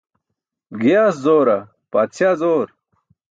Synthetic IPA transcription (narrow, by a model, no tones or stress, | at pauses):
ɡijaːszoːɾɐ | paːt̪t͡ɕʰjaːzoːɾ